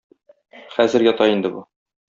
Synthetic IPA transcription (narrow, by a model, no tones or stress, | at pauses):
χæzɘɾjɒt̪ɑind̪ɘbu